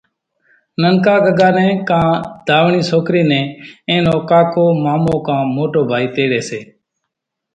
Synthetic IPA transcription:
nəŋkaːɡəɡaːnɛ̃ːkãːd̪̥ʱaːʋɳiːsoːkɾiːnẽːẽːnoːkaːkoːmaːmõːkãːmoːʈoːbʱaːiːt̪eːɽeːseː

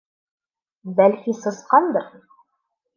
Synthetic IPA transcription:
bælkisɤ̆sqɑnd̪ɤɾ

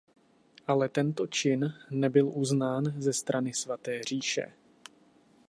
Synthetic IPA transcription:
ʔalɛt̪ɛnt̪ot͡ʃɪnːɛbɪlʔuznaːnzɛst̪ɾʔanɪsvat̪ɛːr̝iːʃɛ̰

